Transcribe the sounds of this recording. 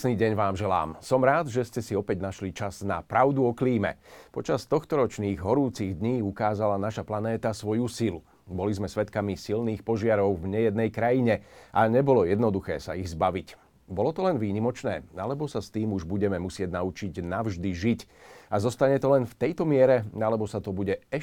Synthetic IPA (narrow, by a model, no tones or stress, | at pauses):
sniːɟɛɲʋaːmʒɛla̰ːmsɔmɾaːd̪ʒɛscɛsiɔpɛɟnaʃlit͡ʃazna̰pɾaʊd̪uɔkliːmɛ̰pɔt͡ʃast̪ɔxt̪ɔɾɔt͡ʃniːɣɦɔɾuːt͡siɣd̪ɲiːukaːzalanaʃaplanɛːt̪asʋɔjusilu | bɔlizmɛsʋɛt̪kamisilniːxpɔʒɪaɾɔʊvɲɛjɛd̪nɛjkɾajiɲɛʔaɲɛbɔlɔjɛd̪nɔd̪uxɛːsa̰iɣzbaʋic | bɔlɔt̪ɔlɛnʋiːɲimɔt͡ʃnɛːalɛbɔsast̪iːmuʒbuɟɛmɛmusɪɛɟnaut͡ʃiɟnaʊʒd̪iʒicazɔst̪aɲɛt̪ɔlɛnft̪ɛjt̪ɔmɪɛɾɛalɛbɔsat̪ɔbuɟɛɛ